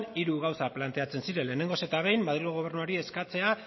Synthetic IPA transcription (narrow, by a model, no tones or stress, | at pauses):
niɾuɣawsaplant̪e̞at͡se̞nsiɾe̞le̞ːne̞ŋɡo̞se̞t̪aβ̞e̞jmmaðɾiɣo̞ɣ̞o̞β̞e̞ɾnuaɾie̞skat͡se̞a